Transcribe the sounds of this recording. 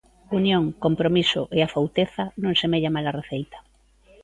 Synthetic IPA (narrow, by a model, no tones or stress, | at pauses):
unjõŋkompɾomisʊʔeafawt̪eθanõŋsemeʎamalɐreθejt̪ɐ̥